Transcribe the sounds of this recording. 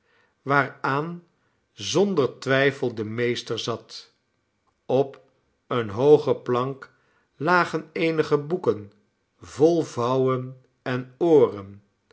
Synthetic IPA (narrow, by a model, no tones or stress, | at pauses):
ʋaːɹaːn | zɔndəɹtʋɛjfəlˠdəmejstəɹzɑt | ɔp | ənɦowχəplɑŋk | laːχənejnəχəbukən | vɔlˠvʌwən | ɛnoːrən